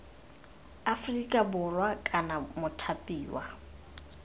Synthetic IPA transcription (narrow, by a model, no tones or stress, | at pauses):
afrikʼabʊrwakʼanamʊtʰapʼiːwa̰